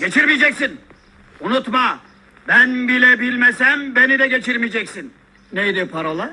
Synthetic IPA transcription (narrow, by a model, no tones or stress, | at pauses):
ɟ̥e̞t͡ʃʰiɾmijed͡ʒɛcsin | unut̪ma | bænbilʲɛbilʲmesæmbe̞nid̪ɛɟe̞t͡ʃʰiɾmijd͡ʒɛcsin | nejd̪ipʰaɾolˠa